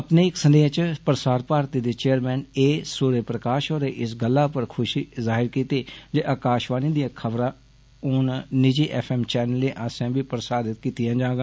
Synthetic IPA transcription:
əpneːɪksənd̪eːãːt͡ʃpɾəsaːɾpaːɾt̪iːd̪eːt͡ʃeːəɾmɛ̃ːneːsuːɾeːpɾəkaːʃoːɾeːʔɪsɡəlːaːpəɾkʰʊʃiːzaːɦɪɾkiːt̪eːd͡ʒeːʔaːkaːʃʋaːniːd̪ijaːkʰəbɾaː | ʊːnnɪd͡ʒiːʔɛːpʰɛːmt͡ʃɛːnəlːeːʔaːsɛ̃ːbiːpɾəsaːd̪ɪt̪̚kiːt̪ɪjãːd͡ʒãːɡãː

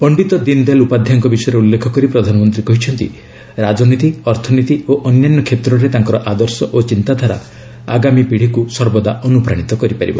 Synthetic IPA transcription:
pɔɳɖit̪ɔd̪ind̪elupad̪ʱjaŋkɔbisɔjɔɾeulːekʰɔkɔɾipɾɔd̪ʱanɔmɔnt̪ɾikɔɦit͡ʃʰɔnt̪ḭ | ɾad͡ʒɔnit̪iɔɾt̪ʰɔnit̪ioʔɔnjanːɔkʰet̪ɾɔɾet̪aŋkɔɾɔʔad̪ɔɾsɔʔot͡ʃint̪ad̪ʱaɾa̰ | a̰ɡamipiɽ̤ikusɔɾbɔd̪aʔɔnupɾaɽ̃it̪ɔkɔɾipaɾḭbɔ̰

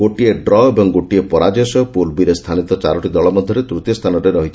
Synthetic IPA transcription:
ɡoʈieɖɾɔebɔŋɡoʈiepɔɾad͡ʒɔsɔpulbiɾest̪ʰanit̪ɔt͡ʃaɾɔʈid̪ɔɭɔmɔd̪ʱjɔɾet̪ɾut̪jɔst̪ʰanɔɾeɾɔɦit̪ʰ

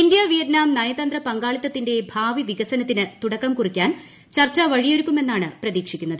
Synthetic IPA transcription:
indjɐʋijɐd̪naːmnɐjɐt̪ɐnd̪rɐpɐŋɡaːɭit̪ːɐt̪ːinde̞bʱaːʋiʋiɡɐsɐnɐt̪ːinɨt̪uɽɐkːɐmkurikʲːaːn | t͡ɕɐrt͡ɕːɐʋɐɻijoɾukʲːume̞nːaːɳɨprɐðiːkʂikʲːunːɐðɨ

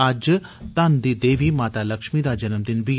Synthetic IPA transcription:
ɐd͡ʒ | t̪ɐnd̪iːd̪eːʋimaːt̪aːlɐkʃmid̪aːd͡ʒɐnəmd̪ɪnbi

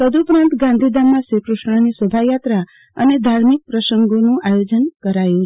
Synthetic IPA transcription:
t̪əd̪uːpɾãnt̪ɡãnd̪ʱid̪amːãsikɾuʃɳanisəbʱajat̪ɾa | ə̰ned̪ʱaɾmik̚pɾəʃəŋɡonũʔajod͡ʒənkəɾajũ

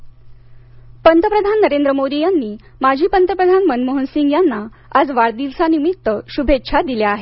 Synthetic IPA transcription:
pənt̪əpɾəd̪ʱanːəɾend̪ɾəmod̪ijanːiː | mad͡ʑʱiːpənt̪əpɾəd̪ʱanmənməɦənsiŋɡjanːa | ad͡zʋaɽd̪ilsanimit̪ːəɕubʱetːɕʰad̪iljaaɦe

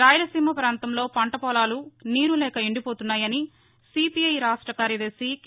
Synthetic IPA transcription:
ɾaːjɐlɐsiːmɐpɾaːnt̪ɐmlo̞ːpɐɳʈɐpɔːlaːluniːɾulɛːkɐiɳɖipoːt̪unːaːjɐni | sipiɐjɾaːʂʈɾɐkaːɾjɐd̪ɐɾsik

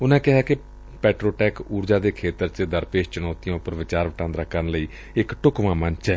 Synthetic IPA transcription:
ʊnãːkɪɦaːkɪ | pɛːʈɾoːʈɛːkuːɾd͡ʒaːd̪eːkʰeːt̪əɾt͡ʃəd̪əɾpeːʃt͡ʃənɔːt̪ijãːʊpːəɾʋɪt͡ʃaːɾʋəʈãːnd̪ɾaːkʰːənləiː | ɪkʈʊkʋãːmənt͡ʃɛː

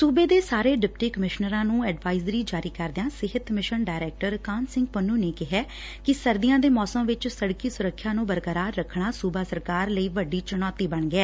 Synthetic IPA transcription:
suːbeːd̪eːsaːɾeːɖɪp̚ʈiːkəmɪʃnəɾãːnũːɛːɖʋaːɪzɾiːd͡ʒaːɾiːkəɾd̪ejãːsɪɦət̪mɪʃəɳɖaːɾɛːk̚ʈəɾkaːnsɪ̃ŋɡ̚pənːuːneːkɪɦɛː | kɪsəɾd̪ɪjãːd̪eːmɔːsəmʋɪt͡ʃsəɽkiːsʊɾəkʰːjãːnũːbəɾkəɾaːɾːəkʰːɳaːsuːbaːsəɾkaːɾləiːʋəɖiːt͡ʃʊnɔːt̪iːbəɳɡɛː

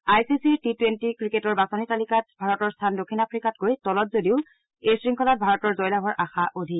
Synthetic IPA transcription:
ajsisiɹtitwentikɹiketɔɹbasonitalikat̚bʱaɹɔtɔɹstʰandokʰːinapʰɹikatɡojtɔlɔtzodiʊ | esɹiŋkʰɔlat̚bʱaɹɔtɔɹzɔjlaɦɔɹʔaxaʔodʱi

